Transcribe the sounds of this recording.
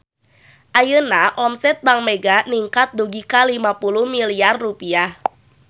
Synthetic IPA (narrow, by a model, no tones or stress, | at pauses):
ʔajənaʔɔmsɛt̪̚baŋmɛɡaniŋkat̪̚duɡikalimapuluhmiliarːupiah